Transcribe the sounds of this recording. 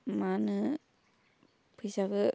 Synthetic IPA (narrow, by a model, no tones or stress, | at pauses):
manɯ | pʰɯjsaɡɯ